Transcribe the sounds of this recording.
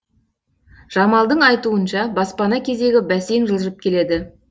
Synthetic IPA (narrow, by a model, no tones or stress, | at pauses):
ʒ̥ɑmɑlˠd̪əɴɑjt̪uənʃɑbɑspɑnɑkʲʰe̞zd̪e̞ɡʲɪbæsenʒəlˠəʒəp̚kʲʰe̞le̞d̪ɪ